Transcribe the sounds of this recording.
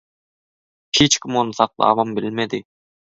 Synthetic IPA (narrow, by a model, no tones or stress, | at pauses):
het͡ʃkʲʰɪmonɨsɑqlˠɑ̰ːwɑmbɪlmed̪ɪ